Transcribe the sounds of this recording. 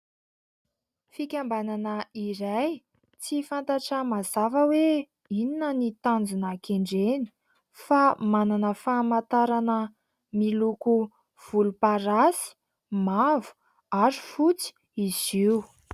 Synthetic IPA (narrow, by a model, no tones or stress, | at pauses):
fikʲambananəiɾaj | t͡sifant̪aʈ͡ʂəmazavəwe | ininənit̪and͡zunakeɳɖ͡ʐeni̥ | famananəfamat̪aɾanə | miluku | v̥ulupaɾasi̥ | mavu̥ | aɾi̥fut͡si̥ | iz̥iu